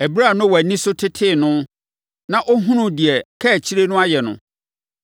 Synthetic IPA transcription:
æ˨bi˦ɾa˦˨nʊ̃˦wæ˨nĩ˦sʊ˦tʰɪ˦tʰɪ˦˨nʊ̃˦ | nã˨ʔo˦ɦũ˦nʊ̃˦di˨ɛ˨kʰɛ˦˨t͡ɕʰi˦ɾe˦nʊ̃˦a˦jɛ˨nʊ̰̃˨

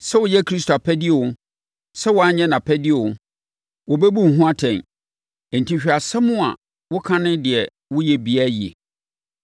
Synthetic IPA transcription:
sɛ˦wʊ˨jɛ˦kʰɾi˦s̬ta˨pʰɛ˦dɪ˦ɛ˨wʊ˦ | sɛ˦wʊ˨a˦ɲɛ̃˦nã˨pʰɛ˦dɪ˦ɛ˨wʊ̃˨ | wɔ˨bɛ˦bu˦˨ɦũ˦a˦tʰɛ̃˨n | e˨n˨tʰĩ˦ɕᶣa˨sɛ˦mʊ̃˦a̰˨ | wʊ˦kʰã˦nɪ̃˦dɪ˨ɛ˨ | wʊ˦jɛ˦˨bi˨a˦ji˨ḛ˨

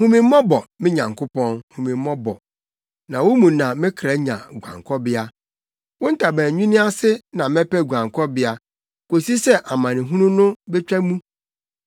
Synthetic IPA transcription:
hũ˦mĩ˨m˦mɔ̃˦bɔ˨mɪ̃˦ɲã˨ŋ˨kʰʊ˦pɔ̃˦nhũ˨mĩ˨m˦mɔ̃˦bɔ̰˨ | nã˨wo˦mũ˨nã˨mɪ̃˦kʰɾa˦ɲã̰˨ɡʷã̰˨ŋkʰɔ˦bɪ˦a˦ | wʊ̃˦n̩˦tʰa˨bæ̃ː˨ɲᶣũ˦nɪ̃˦a˦sɪ˦nã˨mɛ̃˦pɛ˦˨ɡʷã˨ŋkʰɔ˦bɪ˦a˦ | ko˨si˦sɛ˦ʔa˨mã˨nɪ̃˨ɦũ˦nũ˦nʊ̃˦bɛ˦t͡ɕᶣa˦mũ˦

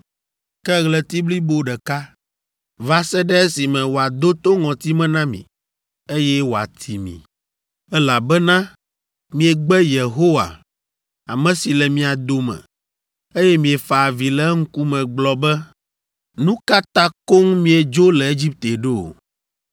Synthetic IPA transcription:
kɛ˦ɣlɛ˨t̪i˦bli˦bo˦ɖɛ˨ka˦ | va˦sɛ˦ɖɛ˦e˦si˨mɛ̃˨wo˨a˨d̪o˦t̪o˦ŋɔ̃˨t̪i˦mɛ̃˦nã˦mḭ̃˨ | e˦jɛ˦wo˨a̰˨t̪ʰi˨mḭ̃˨ | ɛ˦la˨bɛ˦nã˦ | mĩ˨ɛ˨ɡ͡bɛ˦je˨ɦo˦wa̰˨ | a̰˨mɛ̃˨si˨lɛ˨mĩ˨a˨d̪o˨mɛ̰̃˨ | e˦jɛ˦mĩ˨ɛ˨fa˨vi˨lɛ˦ŋ̩˦ku˦mɛ̃˨ɡ͡blɔ˨bɛ˦ | nũ˦ka˦t̪ã˦ko˦ŋmĩ˦ɛ˨d͡ʒo˦lɛ˨e˦d͡ʑi˦p̚t̪e˨ɖe˦o̰˨

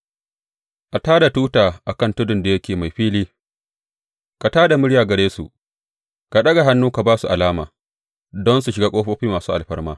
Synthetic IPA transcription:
ʔa˨taː˦da˨tuː˦taː˨ʔa˨kɐ˦ntʊ˦dʊ˨nda˨jɐ˦kʲeː˨ma˨jɸiː˦liː˦ | ka˨taː˦da˨mʊ˦ɽjaː˨ɡɐ˨ɽeː˦sṵ˨ | ka˨ɗɐ˦ɡa˨ɦa˦nːuː˦ka˨baː˦su˨ʔa˨laː˦ma̰ː˨ | dɔ˦nsu˨ʃɪ˨ɡaː˦kʷʼoː˦ɸoː˦ɸiː˦maː˨suː˦ʔa˨lɸɐ˦rmaː˦

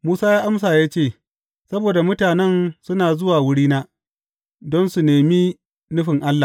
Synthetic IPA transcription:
muː˦saː˦jaː˦ʔa˦ms̬aː˨jaː˦t͡ʃeː˦˨ | sɐ˦boː˨da˨mʊ˦taː˨nɛ˦nsʊ˦naː˨zʊ˦waː˨wʊ˦ɽiː˦naː˦ | dɔ˦nsu˨neː˨miː˦ | nʊ˦ɸɪ˨ŋʔa˦lːa˨

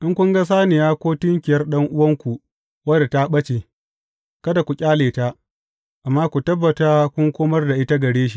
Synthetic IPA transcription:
ʔɪ˦ŋkʷʊ˦ŋɡa˦s̬aː˦nɪ˨jaː˦kʷoː˦tɪ˦ŋkʲɪ˨jɐ˦rɗɐ˦ŋʔʊ˦wɐ˦ŋkʷu˨ | wɐ˦da˨ta˦ɓɐ˦t͡ʃeː˨ | kɐ˦da˨kʷu˨kʲʼaː˦leː˨ta˦ʔ | ʔa˨mːaː˦kʷu˨tɐ˦bːɐ˨ta˦kʷʊ˦ŋkʷoː˦mɐ˦rda˨ʔɪ˦ta˦ɡɐ˨ɽeː˦ʃ̬i̥˦˨

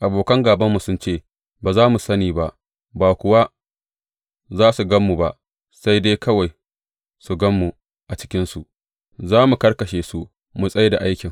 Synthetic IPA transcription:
ʔa˨boː˨kɐ˦ŋɡaː˨bɐ˦mːu˨sʊ˦nt͡ʃeː˦˨ | baː˨zaː˦mu˨sɐ˦niː˨ba˦ʔ | baː˨kʷʊ˨wa˦ | zaː˦su˨ɡɐ˦mːu˨ba˦ʔ | sa˦jde˦kɐ˦wa˨j | su˨ɡɐ˦mːu˨ | ʔa˨t͡ʃɪ̥˦kʲɪ˦nsu˨ʔ | zaː˦mu˨kɐ˦ɽkɐ˨ʃeː˨su˦ | mu˨sʼɐ˦jda˨ʔa˦jkʲɪ˨ŋ

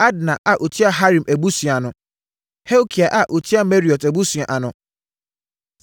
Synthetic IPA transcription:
a˦dnã˨ʔa˨ʔo˨tʰi˦a˨ɦa˦ɾĩ˨mʔæ˨bu˦sɥa˨nʊ̃˨ | he˦wkʰi˨a˨ʔa˨ʔo˨tʰi˦a˨mɛ˦ɾi˨ɔ˨tæ˨bu˦su˨ã˨ʔa˨nʊ̃˨

